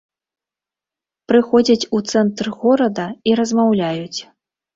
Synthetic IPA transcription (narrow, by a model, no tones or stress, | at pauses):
pɾɨxɔd͡zʲɐt͡sʲut̪sɛnt̪rɣɔɾɐd̪ɐiɾɐzmawlʲajut͡sʲ